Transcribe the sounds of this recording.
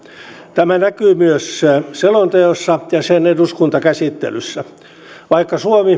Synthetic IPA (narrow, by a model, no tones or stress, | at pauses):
t̪æmænækyːmyøsselont̪eosːɑjɑseneduskunt̪ɑkæsit̪ːḛlysːæ | ʋɑikːɑsuomi